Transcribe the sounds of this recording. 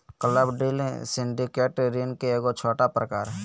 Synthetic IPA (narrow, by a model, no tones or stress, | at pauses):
kələbɖilẽsɪɳɖikeːʈɾinkeeːɡot͡ʃʰoːʈapɾəkaːɾ